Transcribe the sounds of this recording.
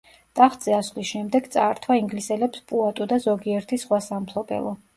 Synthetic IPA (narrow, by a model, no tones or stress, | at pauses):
d̪̥ʼaχt̪ʼz̥ɛasvlisʃɛmd̪ɛɡt̪sʼaːɾt̪ʰwaiŋɡlisɛlɛpspʼuat̪ʼud̪azɔɡiɛɾt̪ʰisχwasampʰlˠɔbɛ̰lˠɔ